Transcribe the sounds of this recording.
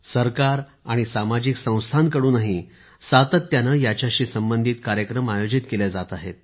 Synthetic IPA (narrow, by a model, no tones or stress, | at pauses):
səɾkaɾ | aɽ̃isamad͡ʑiksə̃w̃st̪ʰankəɽuːnaɦi | sat̪ət̪ːjanajat͡ɕjaɕiːsəmbənd̪ʱiːt̪kaɾjəkɾəmajod͡ʑit̪keled͡zat̪aɦet̪̚